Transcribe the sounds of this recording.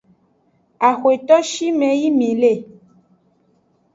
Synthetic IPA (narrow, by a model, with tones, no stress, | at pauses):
a˨xwe˨t̪ɔ˦ʃi˦mɛ̃˨ji˦mĩ˨le˦˨